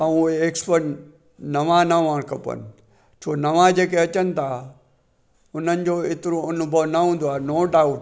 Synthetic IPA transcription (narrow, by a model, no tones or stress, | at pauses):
aũeeːkspəɾʈ | nɐʋãnɐʋãːɽ̃kɐpə̰nɪ̆ | t͡ɕʰoːnɐʋãd͡ʑeːkeɐt͡ɕənɪ̆t̪ʰa | ʊn̤ənɪ̆d͡ʑoːɪt̪ɪɾoʊnʊbʱəʋnɐɦũːn̆d̪oaːenoːɖaːʊʈ